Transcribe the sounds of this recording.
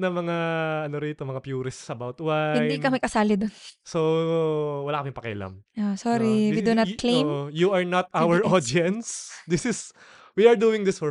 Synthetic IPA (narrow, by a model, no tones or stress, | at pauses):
nɐmɐŋaɐnoɾit̪omɐŋapjuːɾɪssɐbawt̪waɪ̃nnjdinkɐmɐjkɐsaːlɪd̪onso | wɐlaːkɐmɪŋpɐkɛ̰ʔla̰mʔosoɾiwid̪unɐklejmojuɐɹnɐt̪̚awɛɹʔod̪iɛnt̪sd̪ɪsɪs | wiɐɹd̪uːɪŋd̪ɪsfɔ